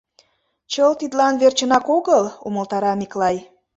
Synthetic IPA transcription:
t͡ɕəlt̪id̪lɑnβert͡ɕə̆nɑkoɣəluməlt̪ɑɾɑmiklɑj

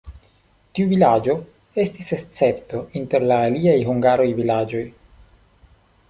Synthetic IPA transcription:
tiuvilad͡ʒo̞ | e̞stisest͡se̞pto̞inte̞ɾlaːliajɦuŋɡaɾo̞jvilad͡ʒo̞j

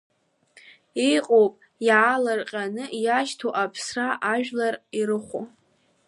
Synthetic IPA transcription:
ijqʼowpʼ | jaːlarqʲʼanɨjaʃtʰoʔapʰsraʔaʒᶣlariɾɨχʷo̰

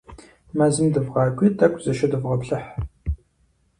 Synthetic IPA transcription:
maːzɨmdɨvʁɑːɡʷʼiːdɐkʷʼzɐʃɐdɨvʁɐpɬɨħ

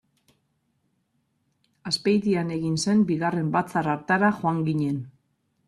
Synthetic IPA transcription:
aspejðiane̞ɣinse̞mbiɣare̞mbat͡saraɾt̪aɾaxoaŋɡiɲe̞n

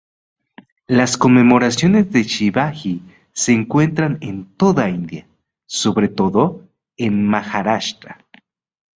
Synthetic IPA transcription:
lasko̞nme̞mo̞ɾasjo̞ne̞zðe̞t͡ʃiβaxi | seːŋkwe̞nt̪ɾanent̪o̞ðaind̪ja | so̞βɾe̞t̪o̞ðo | enmaxaɾaʃt̪ɾa

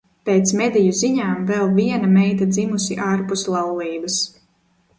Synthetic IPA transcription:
pet̪smɛd̪ɛjuziɲaːmvɛlˠviɛnamɛjt̪ad̪zimusiʔaːɾpuslˠɑwlˠiːbɐs

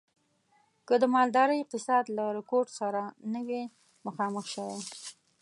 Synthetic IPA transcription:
kəd̪əmɑld̪ɑɾəjq̚ɪsɑd̪laɾɪkoɾʈsaɾanəwe | məxɑməxʃəwe

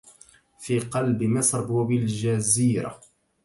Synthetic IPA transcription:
fiːqɑlbɪmasɾbbɪld͡ʒaziːɾa̰

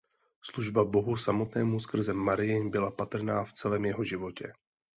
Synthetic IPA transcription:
sluʒbabo̞ɦusamo̞t̪nɛːmuskr̩zɛmːaɾɪjɪbɪlapat̪r̩naːft͡sɛlɛːmjɛɦo̞ʒɪvo̞cɛ

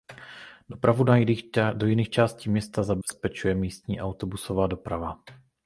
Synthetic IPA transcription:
dopɾavunajdojiniːxt͡ʃaːsciːmɲɛst̪azabɛspɛt͡ʃujɛmiːst̪ɲiːʔawt̪obusovaːdopɾava

